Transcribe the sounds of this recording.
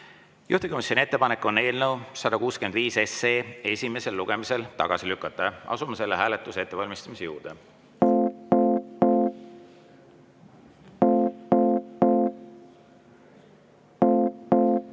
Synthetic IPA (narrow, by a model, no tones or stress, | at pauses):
juht̪iko̞misʲjo̞nʲie̞t̪ːepɑnekːˑo̞ne̞ːlnəwsɑd̪̥ɑkuːske̞nd̪viːse̞seːe̞sʲime̞se̞lːuɡ̥e̞mise̞lt̪ɑ̰ɡ̥ɑsilykːˑɑt̪ːˑɑɑ̰sumɑse̞lːeɦæːlet̪ːˑuse̞t̪ːˑevɑlʲmist̪ɑmise̞jṵːɾd̪̥ḛ